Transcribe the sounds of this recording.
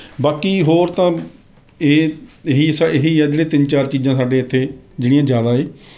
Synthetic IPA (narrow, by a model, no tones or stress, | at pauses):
baːkiːɦoːɾt̪ãː | eːɦiːsaɪɦiːɛːd͡ʒleːt̪ɪnt͡ʃaːɾt͡ʃiːzãːsaːɖeːət̪ʰːeːd͡ʒɪɽijãːzjaːd̪aːeː